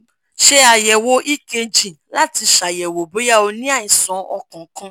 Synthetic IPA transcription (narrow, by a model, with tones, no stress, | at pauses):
ʃe˦a˨jɛ˨wo˧˦ʔi˦ke˧d͡ʒĩ˨la˦ti˧ʃa˨jɛ˨wo˨bo˨˦ja˦˨o˧nĩ˦a˦˨ĩ˨sɔ̃˨˦ɔ˧kɔ̃˨˦kã˦˧